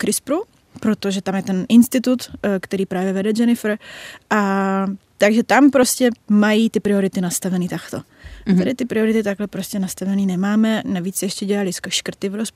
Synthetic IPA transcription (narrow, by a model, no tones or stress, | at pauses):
kɾɪspɾu | pɾot̪oʒɛt̪amjɛt̪ɛnʔɪnst̪ɪt̪ut̪kt̪ɛɾiːpɾaːvjɛvɛdɛd͡ʒɛnɪfɾʔa | t̪aɡʒɛt̪ampɾo̞scɛmajiːt̪ɪpɾɪo̞ɾɪt̪ɪnast̪avɛniːt̪akt̪o̞̰ | ɛdɪt̪ɪpɾɪo̞ɾɪt̪ɪt̪aɡɦlɛpɾoscɛnast̪avɛniːnɛmaːmɛnaviːt͡sːɛjɛʃcɛɟɛlalɪskʃkr̩t̪ɪvɾosp